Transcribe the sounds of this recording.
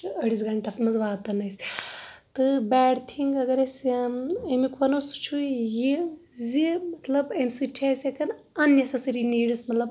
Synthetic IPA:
ɐɽizɡɐɳʈɐsmɐzʋaːt̪ɐnɐsʲ | t̪ɨbɛːɽt̪ʰiŋɡɐɡɐɾɐsʲ | ɐmikʋɐnost͡ʃʰujizimɐt̪lɐbɐmsɨʈʰaːsʲekɐn | ɐnjɐsɐsɐɾiniːɽɨsmɐt̪lɐb

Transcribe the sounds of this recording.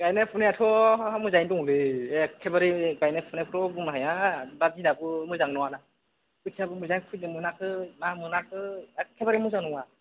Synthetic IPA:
ɡajnepʰuneatʰɔamuzajndɔŋlɯekʰebaɾiɡajnapʰunepʰtɔbumaɦajababinabɯamɯzaŋnɔwana | ɯtʰiabɯmɯzajnpʰut̚nɯmɯnakʰɯmamɯnakʰɯkʰebaɾimuzaŋnɔŋa

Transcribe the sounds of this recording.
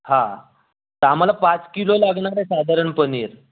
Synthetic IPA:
hã | t̪əam̤alapat͡skilolaɡɳaɾesad̪ʱaɾəɳpəniːɾ

